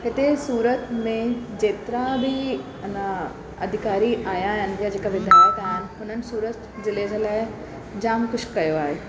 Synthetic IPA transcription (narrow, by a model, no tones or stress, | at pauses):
ɦɪt̪esuːɾət̪mẽd͡ʑeːt̪ɾabʱɪ | nə | ɐ̰d̪ʱɪkaːɾiʔaːjaːɦɪnɪ̆jad͡ʑeːkaʋɪd̪ʱaːjət̪aːɦɦɪnɪ̆ɦʊnənɪ̆suːɾət̪ | d͡ʑɪleːd͡ʑʱəlaːɪɪ | d͡ʑaːmkʊʃkɐjoaːɦeː